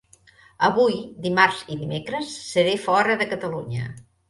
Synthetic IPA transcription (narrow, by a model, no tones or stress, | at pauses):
əβujd̪imaɾziðimekɾəsːəɾefɔɾəðəkət̪əluɲə̰